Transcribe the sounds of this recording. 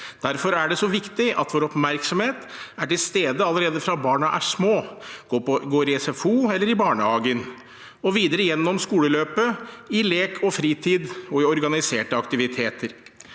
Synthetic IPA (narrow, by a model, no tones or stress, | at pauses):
d̪̥æɾfɔɾæɖɛsɔʋɪkt̪ɪʔɑ̰t̪ʋoːɾɔpmæɾksɔmheːt̪æʈɪlst̪eːd̪əɑlːəɾeːd̪əfɾɑbɑːɳɑʔæʂmoːɡ̥oːɡoːɾɪɛsɛfuːɛlːəɾɪbɑːɳəhɑːɡən | ɔʋiːd̪əɾəjɛnːɔmskuːləløːpəɪleːkʰɔfɾiːt̪ʰiːd̪ɔɪɔɾɡɑnɪseːʈəɑkt̪ɪʋɪt̪ʰeːt̪əɾ